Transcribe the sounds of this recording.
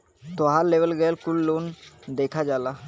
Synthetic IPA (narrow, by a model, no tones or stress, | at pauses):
t̪oɦaɾleʋəlɡəlkʊlːoːnd̪eːkʰad͡ʒaːla